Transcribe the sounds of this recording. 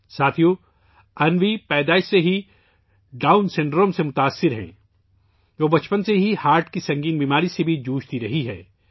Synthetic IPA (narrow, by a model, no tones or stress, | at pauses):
saːt̪ʰijõ | ɐnʋipɛːd̪aːɪʃseɦi | ɖaːʊnsɪ̃ɳɖɾõːmsemʊt̪aːsːɪɾɦɛ̰̃ː | ʋoːbɐt͡ʃpənseɦihaːɾʈkisɐ̃ŋɡiːnbiːmaːɾisebʱid͡ʒuːʃt̪iɾɐɦiɦɛ̰ː